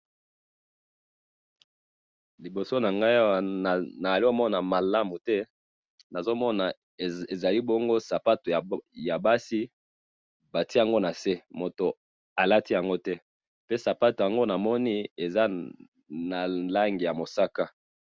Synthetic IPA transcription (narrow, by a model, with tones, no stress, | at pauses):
li˨bo˨so˦na˨ŋɡa˦˨na˨a˨li˦o˦mɔ˦na˨ma˨la˦mu˨tɛ˦ | na˨zo˦mɔ˦na˨ | e˨za˨li˦bɔ˦ŋɡo˦sa˨pa˦to˨ja˨ba˦si˦ | ba˨ti˦˨a˨ŋɡo˦na˨se˦mo˨to˨ | a˨la˦ti˦ja˨ŋɡo˦tɛ˦ | pe˦sa˨pa˦to˨ja˨ŋɡo˦na˨mɔ˦ni˦e˨za˦ | na˨la˦ŋɡi˨ja˨mo˨sa˦ka˦